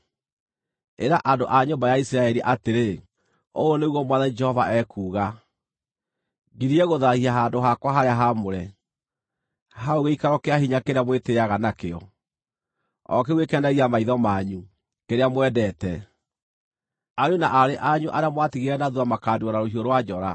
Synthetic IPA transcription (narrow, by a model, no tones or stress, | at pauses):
eɾaʔandoʔaɲombajaisiɾaɛɾiʔateɾe | o̰oneɣwɔmwaðanid͡ʒɛhɔvaɛkuːɣa | ɡiɾiɛɣoðahiaɦaːndoɦakwaɦaɾeaɦamoɾɛ | haoɣeikaɾɔkeaɦiɲakeɾeamweteaɣanakeɔ̰ | ɔ̰keɣwekɛndaɣiamaiðɔmaɲu | keɾeamwɛdɛtɛ | aɲunaʔaɾeʔaɲuʔaɾeamwatiɣeɾɛnaðuamakaːndiɔnaɾoɦioɾwad͡ʒɔɾa